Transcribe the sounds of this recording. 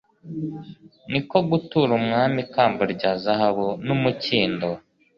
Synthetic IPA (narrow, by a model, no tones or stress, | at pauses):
niko̞ɡutuɾumŋaːmikaːmboɾɟaːzaɦaβunumuciːndo